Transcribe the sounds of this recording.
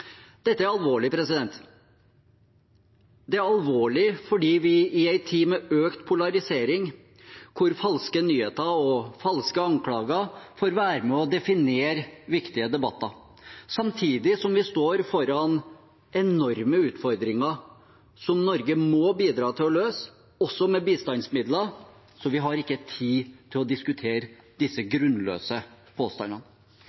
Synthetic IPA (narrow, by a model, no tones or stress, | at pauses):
d̪̥ɛt̪ːəæɾɑlʋoːɭɪpʰɾɛsɪd̪ɛnt̪ | d̪ɛæɾɑlʋoːɭɪfɔɖiːʋɪɪæɪt̪ʰːiːmɛøːkt̪pʰʊlɑɾɪseːɾɪŋ | kʰʊɾfɑlskənyːheːt̪əɔfɑlskəɑŋklɑːɡɑfoːɾʋæːɾəmɛɔd̪ɛfɪneːɾʋɪkt̪ɪəd̪ɛbɑt̪ːɑ̰ | sɑmt̪ʰiːd̪ɪsɔmʋɪst̪oːɾfɔɾɑn | ɛnɔɾməʉːt̪fɔɾd̪ɾɪŋɑ | sɔmnɔɾɡəmɔbiːd̪ɾɑːt̪ʰɪlɔløːs | ɔsːɔmɛbiːst̪ɑnsmɪd̪lə | sɔʋɪɦɑɾɪkːət̪ʰiːt̪ʰɪlɔd̪ɪskʉt̪ʰeːɾəd̪ɪsːəɡɾʉnlø̰ːsə | pʰoːst̪ɑ̰nd̪ən